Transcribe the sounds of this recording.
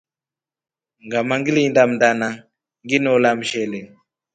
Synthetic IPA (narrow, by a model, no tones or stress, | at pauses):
ŋɡamaŋɡiliindam̩ndana | ŋɡinɔlam̩ʃɛlɛ